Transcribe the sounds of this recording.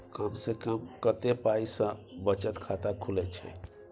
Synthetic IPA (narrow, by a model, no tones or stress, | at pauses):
kəmsekəmkət̪epaisə̃bət͡ʃət̪kʰat̪akʰulɛt͡ʃʰɛ̰